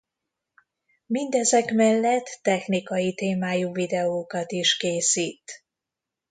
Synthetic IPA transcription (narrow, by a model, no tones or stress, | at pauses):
mind̪ɛzɛkmɛlːɛt̪ːɛxnikɒjit̪eːmaːjuvid̪ɛoːkɒt̪iʃkeːsiːt̪